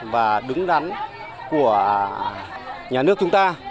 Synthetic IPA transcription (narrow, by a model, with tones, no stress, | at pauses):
vaː˨˩ɗɨ˨˦ŋɗa˨˦n | ku˧˩ə | ɲaː˨˩nɨ˦˥ək̚t͡ɕʊ˨˦ŋ͡mt̪aː˧